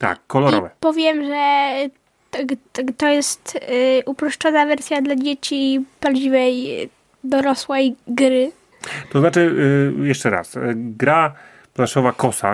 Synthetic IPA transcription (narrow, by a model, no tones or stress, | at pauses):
t̪a̰kːɔlɔɾɔvɛpɔvʲjɛmʐɛ | t̪ɔjɛst̪ʔupɾɔʂt͡ʂɔnavɛɾsʲjad̪lad͡ʑet͡ɕipɾavd͡ʑivɛj | d̪ɔɾɔswɛjɡɾɘ | t̪ɔznat͡ʂɘjɛʂt͡ʂɛɾa̰sɡɾa | plaʂɔvakɔsa̰